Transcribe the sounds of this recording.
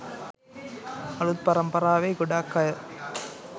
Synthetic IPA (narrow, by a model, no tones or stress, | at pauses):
ɐɭɯð̚pɐɾɐmpɐɾaːʋeːɡʊɽaːkːɐ